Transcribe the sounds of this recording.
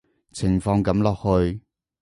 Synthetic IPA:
t͡sʰɪ˨˩ŋfɔː˧ŋkɐ˨˥mlɔː˨k̚hɵ˧ɥ

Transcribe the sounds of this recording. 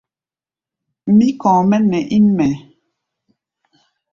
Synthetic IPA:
mi˦kɔ̃ː˨mɛ˦nɛ˨ʔi˦nmɛ˨

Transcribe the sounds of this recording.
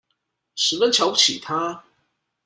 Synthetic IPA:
ʂɻ̩˧˥fə˥˦nt͡ɕʰjɑ˧˥ʊu˥˩t͡ɕʰi˨˩t̪ʰa˥

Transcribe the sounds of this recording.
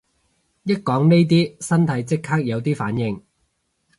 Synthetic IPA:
jɐ˥t̚kɔː˨˥ŋne˥jt̪̬iː˥sɐ˥nt̪ʰɐ˨˥jt͡sɪ˥kʰːaː˥k̚jɐ˨˧wt̪iː˥faː˨˥njɪ˨˧ŋ

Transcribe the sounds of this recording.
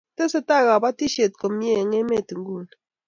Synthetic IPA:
te˦se˦ta˦˨ɣa˨ba˦ti˦ʃe˨t̚ko˨mje˦˨ŋe˦me˦˨ti˨ŋ˦ɡu˦˨l

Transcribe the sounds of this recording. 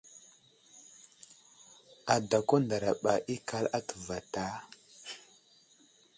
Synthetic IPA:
a˨da˨ko˦nda˨ɾa˨ɓa̰˨ʔi˦ka˦la˦tə̥˨va˨ta˦

